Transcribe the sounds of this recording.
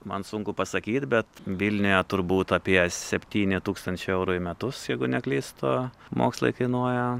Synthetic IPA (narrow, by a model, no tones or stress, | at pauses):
mɐnsʊŋkʊpɐsɐkʲiːt̪ʲbʲɛt̪ʋʲilʲnʲʊjɛt̪ʊɾbuːt̪ɐpʲiɛsʲɛpʲt̪ʲiːnʲɪt̪uːkst̪ɐnʲt͡ʃʲɛɛʊɾʊːɪmʲɛt̪ʊsjɛɪɡʊnʲɛklʲiːst̪oːmo̰ːkslˠɐ̰ɪkɐɪnuɔjɛ